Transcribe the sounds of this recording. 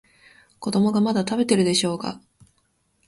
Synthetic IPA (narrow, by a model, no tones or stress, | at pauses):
ko̞d̪o̞mo̞ɡamad̪at̪abe̞t̪e̞ɾɯ̟d̪e̞ɕo̞ːka̰